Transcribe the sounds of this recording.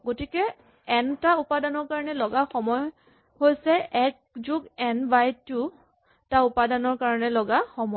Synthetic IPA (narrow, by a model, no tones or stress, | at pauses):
ɡotikɛ | ɛntaupadanɔɹkaɹɔnɛlɔɡaxɔmɔj | hojsɛʔɛk̚ | zuɡɛnbajtu | taupadanɔɹkaɹɔnɛlɔɡaxɔmɔ